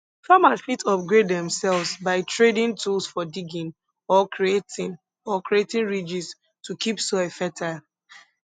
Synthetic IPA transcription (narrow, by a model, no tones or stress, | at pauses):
famasfitʰɔp̚ɡɹedːɛ̃msɛlvsbaɪtɹedĩntulsfɔdiɡĩn | ɔkɹietĩn | ɔkɹietĩnɹid͡ʒis | tukipsoɛfɛtʰaɪl